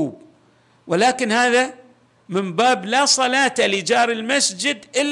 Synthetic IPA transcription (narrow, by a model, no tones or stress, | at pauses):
uːb̚ | wɪlaːkɪnhaːða | mɪmbaːblasˤɑlaːt̪alid͡ʒɑːɾɪlmasd͡ʒɪd̪ʔɪlː